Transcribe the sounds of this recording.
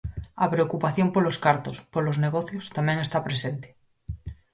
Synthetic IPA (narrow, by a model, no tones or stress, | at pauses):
apɾeokupaθjompoloskaɾt̪ospolozneɣ̞oθjost̪amjeŋe̞st̪apɾesent̪e̥